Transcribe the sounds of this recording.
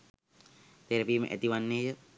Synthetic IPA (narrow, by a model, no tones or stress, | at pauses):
t̪eɾɐpiːmə̰ʔɛ̰t̪iʋanːejə